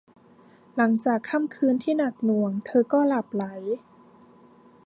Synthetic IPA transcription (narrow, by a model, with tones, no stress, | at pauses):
la˩˦ŋt͡ɕaː˨˩kʰːa˥˩˨mkʰɯː˧nt̪ʰiː˥˩na˨˩k̚nu˨˩˦əŋt̪ʰɤː˧kɔː˥˩la˨˩p̚la˩˦j